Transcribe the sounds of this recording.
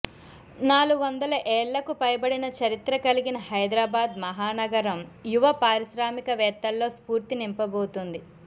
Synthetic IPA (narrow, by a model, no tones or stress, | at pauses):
naːluɡuʋɐnd̪ɐlɐʔɛːɭːɐkupɐjbɐɽinɐt͡ʃɐɾit̪ɾɐkɐliɡinɐhɐjd̪ɾaːbaːd̪mɐɦaːnɐɡɐɾɐmjuʋɐpaːɾiʃɾaːmikɐʋɛːt̪ːɐlːo̞ːspuːɾt̪inimpɐbo̞ːt̪und̪i